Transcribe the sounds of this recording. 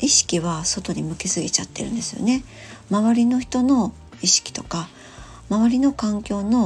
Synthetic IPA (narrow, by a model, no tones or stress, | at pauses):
iɕi̥kʲiβaso̞t̪o̞ɲʲimɯ̟ke̞sɨɡʲit͡ɕat̪ːe̞̰ɾɯ̟̃nd̪e̞sɨjo̞̰ne̞ | maβaɾʲino̞çi̥t̪o̞no̞ | iɕi̥kʲi̥t̪o̞ka | maβaɾʲino̞kãŋkʲo̞ːno̞